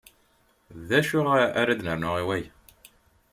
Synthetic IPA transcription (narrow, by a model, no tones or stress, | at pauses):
ðæʃʊʁæɾæd̪nəɾnʊʁiwæj